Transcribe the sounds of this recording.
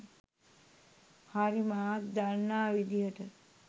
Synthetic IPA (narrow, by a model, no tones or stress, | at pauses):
haɾimaːtd̪alnaːʋid̪ijəʈə